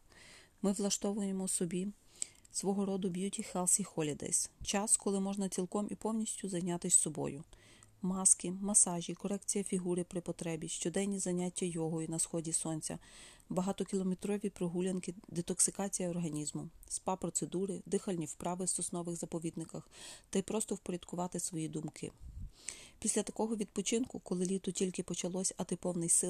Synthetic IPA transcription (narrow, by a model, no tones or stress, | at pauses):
mɪʋlˠɐʃt̪ɔʋʊjemɔsɔbʲi | sʋɔɦɔɾɔd̪ʊbʲjutʲixɛlˠsixɔlʲid̪ɛ̰jst͡ʃɑskɔlˠɪmɔʒnɐt͡sʲilˠkɔmʔipɔwnʲisʲtʲʊzɐjnʲɑt̪ɪsʲsɔbɔ̰jʊ | mɑskɪmɐsɑʒʲikɔɾɛk̚t͡sʲijɐfʲiɦuɾɪpɾɪpɔt̪ɾɛbʲiʃt͡ʃɔd̪ɛnʲnʲizɐnʲatʲːɐjɔɦɔjinɐsxɔdʲisɔnʲt͡sʲɐ̰ | bɐɦɑt̪ɔkʲilˠɔmet̪ɾɔʋʲipɾɔɦulʲɐnkɪd̪ɪt̪ɔksɪkɑt͡sʲijɐːrɦɐnʲizmʊspɑpɾɔt̪sed̪uɾɪd̪ɪxɐlʲnʲiwpɾɑʋɪst̪ɔsnɔʋɪɣzɐpɔʋʲid̪nɪkɐxt̪ɐjpɾɔst̪ɔwpɔɾʲɐd̪̥kʊʋɑt̪ɪsʋɔjid̪ʊmkʰɪ̰ | pʲisʲlʲɐt̪ɐkɔɦɔʋʲid̪̚pɔt͡ʃɪnkʊkɔlˠɪlʲit̪ʊtʲilʲkɪpɔt͡ʃɐlˠɔsʲɐt̪ɪpɔwnɪjsɪ